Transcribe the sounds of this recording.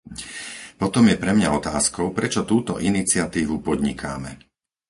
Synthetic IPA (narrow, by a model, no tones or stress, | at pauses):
pɔt̪ɔmjɛpɾɛmɲaɔt̪aːskɔʊpɾɛt͡ʃɔt̪uːt̪ɔ̰ʔinit͡sɪat̪iːʋupɔd̪ɲikʰaːmɛ